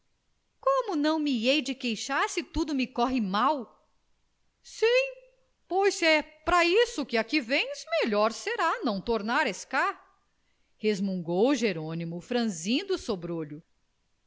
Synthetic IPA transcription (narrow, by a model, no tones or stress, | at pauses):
kõmʊnɐ̃w̃miejd͡ʒɪkejʃaɾsɪt̪ud̪ʊmɪkɔɦɪmaw | sĩ | pojsɛpɾɐisʊkɪakivẽj̃zmeʎɔɾseɾanɐ̃w̃t̪oɾnaɾeska | hezmũŋɡowʒeɾõnimʊfɾɐ̃zĩd̪ʊsobɾoʎʊ